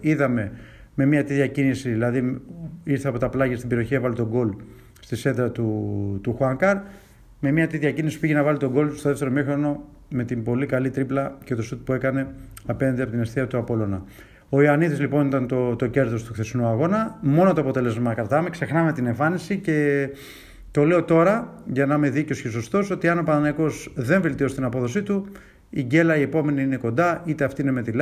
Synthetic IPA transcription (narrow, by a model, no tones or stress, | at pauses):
iðɐme̞ | me̞miɐt̪it̪ʝɐcinisiðilɐðiiɾθeɐpo̞t̪ɐplɐʝɐst̪imbeɾioçievɐlet̪o̞ɡo̞l | st̪ise̞d̪ɾɐt̪ut̪uxɐŋkɐɾ | me̞miɐt̪it̪ʝɐcinisi̥puiʝenɐvɐlit̪o̞ɡo̞lst̪oðeft̪e̞ɾomiixɾo̞no̞ | me̞t̪imbo̞likɐlit̪ɾiplɐcet̪osut̪̚pue̞kɐne̞ɐpe̞nɐnd̪eɐpot̪inesθiɐt̪uɐpo̞lo̞nɐ | o̞iɐniðizlipo̞nit̪ɐnt̪ot̪oce̞ɾt̪o̞st̪uxθe̞sinuɐɣo̞nɐmo̞not̪oɐpo̞t̪e̞le̞zmɐkɾɐt̪ɐme̞kse̞xnɐme̞t̪ineɱfɐnisice̞ | t̪o̞le̞o̞t̪o̞ɾɐ | ʝɐnɐme̞ðicosces̬o̞st̪o̞so̞t̪iɐno̞pɐnɐnɐiko̞zðe̞ɱve̞lt̪io̞st̪inɐpo̞ðo̞sit̪u | iɟe̞lɐie̞po̞me̞niine̞ko̞nd̪ɐit̪e̞ɐft̪iine̞me̞t̪il